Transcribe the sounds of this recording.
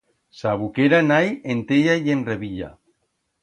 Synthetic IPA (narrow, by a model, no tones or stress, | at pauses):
saβukeɾanajent̪eʎajenreβiʎa̰